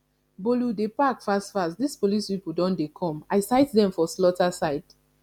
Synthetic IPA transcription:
boludepakfastfastdispolispipudɔ̃ndekʰɔ̃maɪsaɪtdɛ̃ɱfɔslɔtasaɪd̥

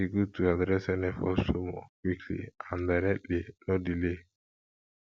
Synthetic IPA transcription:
iɡutuadɾɛsɛnɛfɔsomɔ̰kwikʰlḭãndaɾɛlinodile

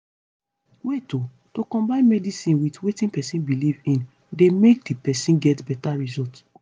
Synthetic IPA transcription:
weto | tokɔ̃mbãɪ̃nmɛdisĩnwitwetĩnpɛsĩnbilivĩn | demek̚dipɛsĩnɡɛtbɛtaɹizɔlt

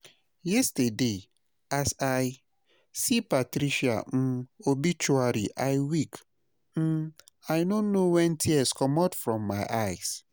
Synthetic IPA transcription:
jɛstade | asaj | sipatɾiʃia̰m̩obit͡ʃuaɾḭʔaɪwik | m̩ | ajnonowɛ̃ntʰiɛskɔmatfɹɔ̃mːaɪʔaɪs

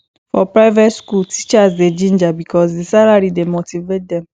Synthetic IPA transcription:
fɔpɹaɪvɛtskultʰit͡ʃasded͡ʒĩnd͡ʒabikʰɔs̬disalaɹidemotivet̚dɛ̃m

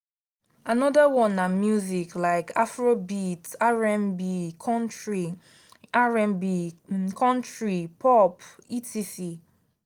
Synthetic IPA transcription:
anɔdawɔ̃nːamjuziklaɪkafɹobitaɹɛ̃mbikʰɔ̃ntɹi | aɹɛ̃mbikʰɔ̃ntɹipɔpitʰisi

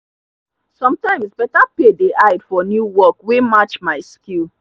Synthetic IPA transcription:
sɔ̃mtãɪ̃msbɛtapedeʔaɪdfɔnjuwɔkwemat͡ʃmaɪskil

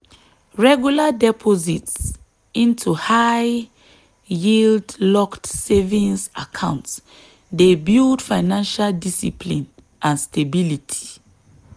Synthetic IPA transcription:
ɹɛɡjuladɛpʰɔzits | ĩntʰuhaɪ | jildlɔktsevĩnsakʰãʊ̃nts | debildfaɪnãnʃaldisḭpʰlĩn | ʔãnstebilitʰi̥

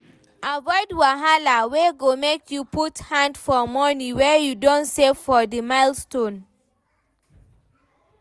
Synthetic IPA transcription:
avɔɪdwaɦalaweɡomekʰjuputhãndfɔmɔnĩwɛjudɔ̃ntsefɔdimaɪlstõn

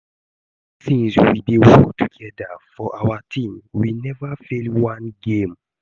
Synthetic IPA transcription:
θĩŋswibiwɔk̚tʰuɡɛdafɔʔawatʰĩmwinɛvafelwãnɡẽm

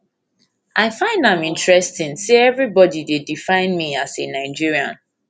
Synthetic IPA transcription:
ʔaɪfãɪ̃ndãɪ̃mĩntɹɛstĩnseɛvɹibɔdidedifãɪ̃nmiasenaɪd͡ʒiɹiã̰n

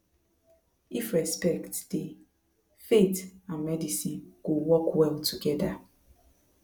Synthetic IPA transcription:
ifɹɛspɛktd̥e | fetãnmɛdisiɡ̥owɔkwɛltʰuɡɛda

